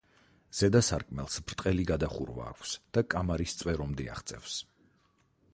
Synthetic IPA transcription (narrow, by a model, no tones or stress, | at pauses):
z̥ɛd̪asaɾkʼmɛlˠsbɾt̪ʼqʼɛliɡad̪aχṵɾva̰ːkʷʰsd̪̥akʼamaɾist̪sʼwɛɾɔmd̪ia̰χt̪sʼɛfs